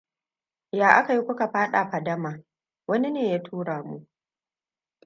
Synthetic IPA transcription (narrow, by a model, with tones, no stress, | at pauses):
jaː˨ʔa˦ka˨ji˦kʷʊ˦ka˨ɸaː˦ɗaː˨ɸɐ˨dɐ˦maː˨ | wɐ˦ni˦neː˨jaː˦tʰuː˦ɽaː˨mu˦ʔ